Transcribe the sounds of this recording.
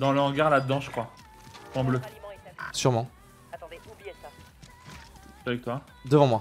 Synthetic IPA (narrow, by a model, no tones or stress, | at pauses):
d̪ɑ̃ləʁəɡaʁlad̪d̪ɑ̃ʒəkχwa | sɑ̃blø | syʁmɑ̃ | t̪ | t̪avɛk̚t̪wa | d̪əvɑ̃mwa